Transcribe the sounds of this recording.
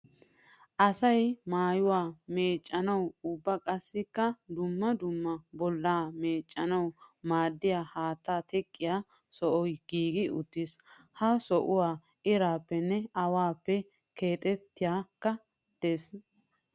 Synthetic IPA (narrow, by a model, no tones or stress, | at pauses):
ʔɐsɐjmaːjʊwaːme̞ːt͡ʃʼːɐnɐwʊbːɐkʼɐsːɪkːɐd̪ʊmːɐd̪ʊmːɐbɔlːaːme̞ːt͡ʃʼːɐnɐwmaːd̪ːɪjaːhaːt̪ːaːt̪ʰɛkʼːɪjaː | sɔʔɔjɡ̥iːɡɪʔʊt̪ːɪs | hɐsɔʔʊwaː | ʔɪɾaːpːɛnːɛɐwaːpːɛ | ke̞ːt̪ʼɛt̪ːɪjaːkːɐ | d̪̥eːs